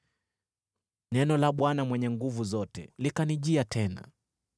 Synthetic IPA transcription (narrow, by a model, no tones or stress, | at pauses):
nɛnɔlaɓwanamwɛɲɛŋɡuvuzɔtɛ̰likaniʄiatʰɛna̰